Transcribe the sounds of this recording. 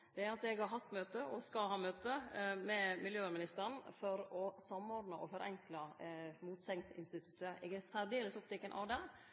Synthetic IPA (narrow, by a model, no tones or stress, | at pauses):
d̪̥ɛæɾɑt̪ɛɡhɑɾɦɑft̪ːmøːt̪əʔɔskɑlɦɑːmøːt̪əmɛmɪljøːæɾmɪnɪst̪əɾɳ̩fɔɾɔsɑmːɔɾɖ̪nəʔɔfɔɾʔɛ̰ŋkləmuːt̪sɛŋsɪ̰nst̪ɪt̪ʉ̥t̪ːəʔɛɡæɾsæɾd̪eːləsʊpt̪ɪkːənʔɑ̰ʋd̪ɛ